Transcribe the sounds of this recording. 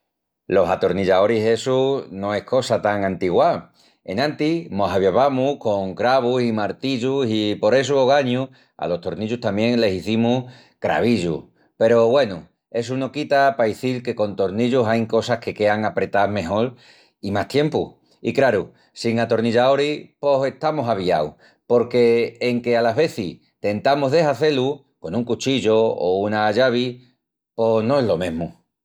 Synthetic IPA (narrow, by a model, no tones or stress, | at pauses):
lo̞ɦat̪o̞ɾniʎao̞ɾise̞suno̞e̞hko̞sat̪aŋãnt̪iɣwa | e̞̰nãnt̪imo̞ɦaβjeβamuko̞ŋkɾaβusimaɾt̪iʎusipo̞ɾe̞s̬uoɣ̞aɲu | a̰lo̞st̪o̞ɾniʎut̪amje̞ŋle̞siθimuh | kɾa̰βiʎṵ | pe̞ɾo̞βwe̞nu | e̞s̬uno̞kit̪apaiθilke̞ko̞nt̪o̞ɾniʎusajŋko̞sahke̞ke̞aŋapɾe̞t̪aɦme̞ɦo̞ɾ | imaht̪je̞mpṵ | ikɾaɾu | siŋat̪o̞ɾniʎaoɾipo̞se̞ht̪amosaβiaw | po̞ɾke̞ːŋke̞alaɦβe̞θi | t̪e̞nt̪amoɦðe̞ɦaθe̞lu | ko̞nuŋkut͡ʃiʎo̰ːunaʝaβ̞i | po̞sno̞elo̞mẽɦmu